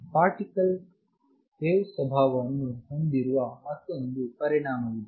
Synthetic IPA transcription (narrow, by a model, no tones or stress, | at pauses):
paːɾʈikəl | t̪eːʋsɐbʱaːʋanuɦɐnd̪iɾuʋamɐt̪ɐnd̪upɐɾiɽ̃aːmɐʋid̪